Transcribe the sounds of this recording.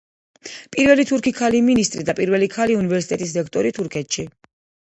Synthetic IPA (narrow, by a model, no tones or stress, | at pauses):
pʼiɾvɛlit̪ʰuɾkʰikʰaliminist̪ʼɾid̪apʼiɾvɛlikʰaliunivɛɾsit̪ʼɛt̪ʼisɾɛkʰt̪ʼɔɾit̪ʰuɾkʰɛt̪ʃi